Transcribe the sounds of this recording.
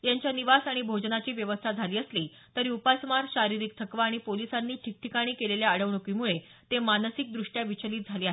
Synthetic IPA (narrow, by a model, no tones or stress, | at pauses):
jaɲt͡ɕjaniʋasaɽ̃ibʱod͡ʑnat͡ɕiːʋjəʋəst̪ʰad͡zʱaliːəsliː | t̪əɾiupasmaɾɕaɾiɾiːk̚t̪ʰəkʋaːɽ̃ipolisanːiːʈʰik̚ʈʰikaɽ̃iːkeleljaːɽəʋɳukiːmuɭe | t̪emanəsik̚d̪ɾuʂʈjaʋit͡ɕəliːt̪̚d͡zʱaliːaɦe